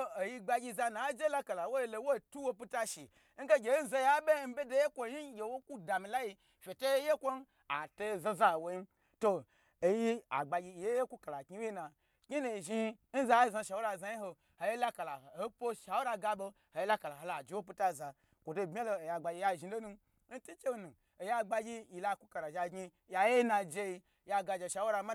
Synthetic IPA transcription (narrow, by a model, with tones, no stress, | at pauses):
o˧o˨ji˧ɡ͡ba˧ɡʲi˧za˧na˨˦d͡ʒe˦la˦ka˨la˨wo˦ji˧lo˧˦wo˦˨tu˦wo˧p̬u˦ta˦ʃi˨˦ | ŋ̩˦ɡe˦ɡʲe˨˦n̩˦za˧ja˦bʲe˦m̩˦bʲe˦do˦je˦kʷo˧˨ɲi˦ɡʲe˨wo˦ku˦da˨mi˧la˦ji˧ | fʲe˨to˦je˦je˦kʷo˦n˦ | a̰˨to˧zã˧za˦˨wo˧ji˦m | to˧˨ | ji˦a̰˨ɡ͡ba˧ɡʲi˧˨je˦je˦kʷu˦ka˨la˨kʲi˦we˦na˨ | kʲi˦nu˨ʒi˦ | n̩˦za˧je˦za˧ʃa˨wo˦ɾa˧˨za˧ji˦ɦo˧ | ho˨je˦la˦ka˨la˨ho˦po˦ʃa˨wo˦ɾa˧ɡa˧bo˧ | ho˨ji˦la˦ka˨la˨ɦo˨la˨d͡ʒi˨˦wo˦p̬o˦ta˦˨za˨ | kʷo˨to˧˨bmʲ˦a˦lo˧˨ja˨ɡ͡ba˧ɡʲi˧ja˦˨ʒi˧˦lo˦nu˧ | n̩˦tu˦t͡ʃe˦˨nu˨ | o˨ja˦˧ɡ͡ba˧ɡʲi˦ji˨la˧˨ku˦ka˨la˨ʒa˧ɡɲi˧ | ja˧je˦na˧d͡ʒe˧ji˧ | ja˧ɡa˧d͡ʒe˧˨ʃa˨˦wo˦ɾa˧ma˦